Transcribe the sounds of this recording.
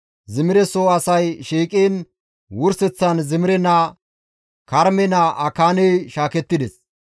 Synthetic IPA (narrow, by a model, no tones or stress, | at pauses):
zɪmɪɾɛsoɐsɐjʃiːkʼeːn | wʊɾsɛt͡sːɐnzɪmɪɾɛnɐ | kɐɾmɛnɐʔɐkaːnejʃaːkɛt̪ːɪd̪ɛs